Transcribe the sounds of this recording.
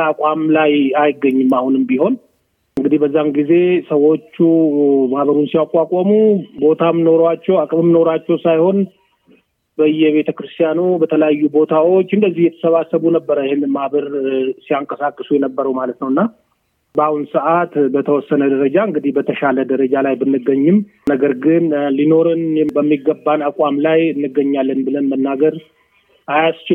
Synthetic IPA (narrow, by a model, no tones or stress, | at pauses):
akʼamlajajɪɡəɲːɨmahunɨmbiho̞n | ɨŋɡɨd̪ihbəzːamɡize̞səwo̞t͡ʃːumahβəɾunsijakʼakʼomubo̞t̪ʰamːnoɾat͡ʃːɛwakʼmɨmːno̞ɾat͡ʃːɛwsajho̞n | bəjːɛβe̞t̪ʰəkɾɨst̪ʰjanubət̪ʰələjajːubo̞t̪ʰawot͡ʃːɨnd̪əzːihjɛt̪ʰə̥səβasːəβunəbːəɾəjɪhenːɨnmaβəɾsiaŋkʼəsakʼːɨsujɛnəbːəɾəwmalət̪nəwɨnːa | bahunsəʔat̪bət̪ʰəwɔsːənəd̪əɾəd͡ʒaɨŋɡɨd̪ihbət̪ʰəʃaləd̪əɾəd͡ʒalajbɨnːɨɡəɲːɪm | nəɡəɾɡɨnlino̞ɾɨnɛbəmːiɡːəbːanakʼwamlajɨnːɨɡːəɲːalːənbɨlənmənːaɡəɾ | ʔajast͡ʃɪ